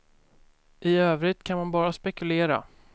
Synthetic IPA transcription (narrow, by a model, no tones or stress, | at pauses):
ʔɪøːvɾɪt̪kʰanmanbɑːɾaspɛkɵleːɾa̰